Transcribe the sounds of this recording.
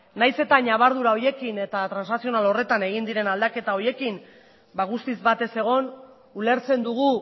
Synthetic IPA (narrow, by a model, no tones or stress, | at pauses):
najse̞t̪aɲaβ̞aɾð̞uɾao̞je̞kine̞t̪at̪ɾansnasio̞nalo̞re̞t̪ane̞ɣ̞ind̪iɾe̞nald̪ake̞t̪ao̞ɾje̞kin | baɣ̞ust̪izbat̪e̞se̞ɣ̞o̞n | ule̞ɾt͡se̞nd̪uɣ̞u